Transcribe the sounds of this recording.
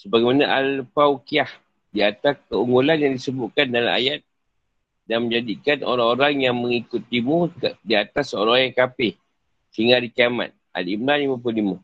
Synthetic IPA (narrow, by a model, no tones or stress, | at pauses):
səbaɡɛjmanaʔalpawkiah | diat̪askəuŋɡolanjaŋdisəbʊʔkandala̰ma̰jat̪̚ | danmə̃ɲd͡ʒadikano̰ɾaŋoɾaŋjaŋməŋikut̪ːimudiat̪asːoɾajaŋkapɪh | hiŋaɾikiama̰t̪̚ʔa̰limlalimap̬lulima